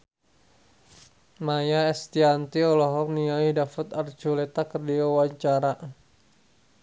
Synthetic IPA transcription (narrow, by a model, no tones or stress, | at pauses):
majaɛst̪iant̪iɔlɔɦɔk̚niaidafət̪ard͡ʒulɛt̪akərdiawaɲt͡ʃaɾa